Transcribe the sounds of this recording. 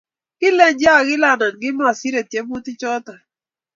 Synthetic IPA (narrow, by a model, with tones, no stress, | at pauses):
kɪ˦le˦ɲd͡ʒja˦˨ɡɪ˦la˨na˨nɡɪ˦m˦a˨si˦ɾe˨tje˦bu˦tɪ˦t͡ʃɔ˦ta˨